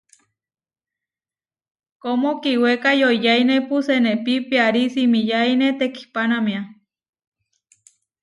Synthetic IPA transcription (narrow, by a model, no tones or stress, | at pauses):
komokiwekajoijajnepusenepipiaɾisimijainet̪eki̥panamia